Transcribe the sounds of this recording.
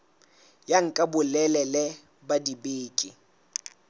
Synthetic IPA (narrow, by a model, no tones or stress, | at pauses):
jaŋ̩kʼabʊlɛlɛlɛ | badibeːkʼɪ